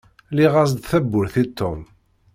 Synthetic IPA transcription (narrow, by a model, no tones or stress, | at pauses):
liʁazd̪θæbːʊɾθit̪ʰːom